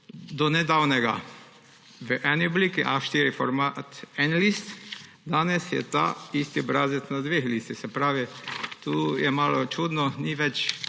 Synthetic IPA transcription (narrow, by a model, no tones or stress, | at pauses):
d̪ɔnɛd̪awnɛɡa̰ | ʋəʔɛniɔbliːkiʔaʃt̪iɾifɔɾmat̪ɛnlist̪ | d̪aːnɛsjɛ̰t̪a̰ist̪ibɾazɛt̪nad̪ʋexliːst̪ixsɛpɾaːʋit̪uːjɛmaːlɔt͡ʃuːd̪nɔniʋɛt͡ʃ